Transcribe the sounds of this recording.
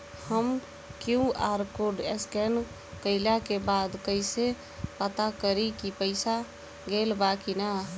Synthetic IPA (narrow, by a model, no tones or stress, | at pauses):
həm | kjũaɾkoɖeskɛn | kəɪlakebad̪kəɪse | pət̪akəɾikipəɪsa | ɡelbakina